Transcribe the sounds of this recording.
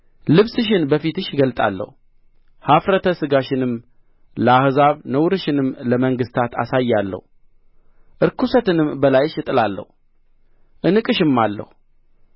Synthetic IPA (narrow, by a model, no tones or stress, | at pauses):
lɨβsɨʃ̬ɪnbəfit̪ɨʃɡəlt̪ʼa̰lːə̰hu | hafɾət̪ʰəsɨɡaʃɪnɨm | ləahzaβnəwɾɨʃɪnɨmːləməŋɡɨst̪ʰat̪ʰa̰sajːalːə̰hu | ʔɨɾkʰusət̪ɨnɨmbəlajʃɨt̪ʼɨlalːə̰h | ʔɨnɨkʼɨʃɪmːalːə̰hu